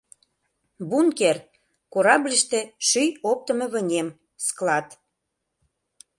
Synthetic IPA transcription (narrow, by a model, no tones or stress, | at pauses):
bunker | koɾɑblʲəʃt̪e̽ʃyjop̚t̪ə̆mɤ̆βə̆nʲem | sklɑt̪